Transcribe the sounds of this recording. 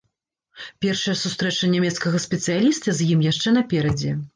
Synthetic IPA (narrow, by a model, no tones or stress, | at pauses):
pʲɛrʂɐjɐsust̪ɾɛt͡ʂɐnʲamʲɛt̪skɐɣɐsʲpʲɛt̪sɨjalʲist̪ɐzʲjimjaʂt͡ʂɛnɐpʲɛɾɐd͡zʲɛ